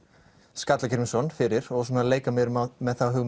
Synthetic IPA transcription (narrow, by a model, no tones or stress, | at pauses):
skat̪lacʰɛɾmɪsɔnfɪɾɪɾɔɣsɔːnaleːjkamɛɾʏmamɛðθawɦʏɣm